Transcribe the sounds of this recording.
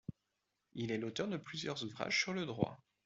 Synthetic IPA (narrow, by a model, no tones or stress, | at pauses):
ilɛlot̪œʁd̪əplyzjœʁzuvʁa̰ʒsyʁləd̪ʁwa̰